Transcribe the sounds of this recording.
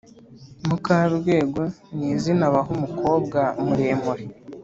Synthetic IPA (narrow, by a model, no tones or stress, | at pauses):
mukaβɾɡwe̞ːɡo̞niːzinaβaɦumuko̞ːbɡamuɾeːmuɾi